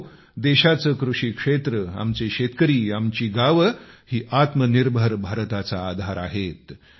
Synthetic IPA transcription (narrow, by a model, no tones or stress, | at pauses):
d̪eɕat͡səkɾuʂiːkʂet̪ɾəa̰mt͡seɕet̪kəɾiːamt͡ɕiːɡaʋəhiːʔat̪məniɾbʱəɾbʱaɾt̪at͡saːd̪ʱaɾa̰ɦet̪